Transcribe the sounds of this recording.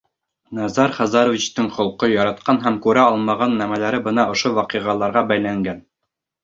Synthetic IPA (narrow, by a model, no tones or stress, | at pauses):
nɑzɑɾχɑzɑɾŏvʲit͡ɕt̪ɤɴχŏlˠqɤjɑɾɑt̪̚qɑnɦæmkʉɾæɒlˠmɑʁɑnːæmælæɾɘbɤ̆nɑŏʃowɑqiʁɑlˠɑɾʁɑbæjlæŋɡæn